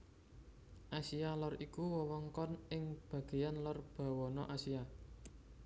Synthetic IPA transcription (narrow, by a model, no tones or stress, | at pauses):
ʔasialɔrikuwɔwɔŋkɔnʔɪŋb̥a̤ɡ̥e̤janlɔrb̥a̤wɔnɔ̰ʔasia